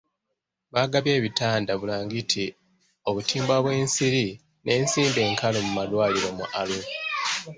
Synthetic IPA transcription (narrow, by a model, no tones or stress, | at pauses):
βaːɡaβje̞ːβitaːndaβulaːŋɡitʰi | o̞βutiːmbwaβwe̞ːnsiɾi | nʔe̞ːnsiːmde̞ːŋkalomumalwaːliɾo̞mṵʔalu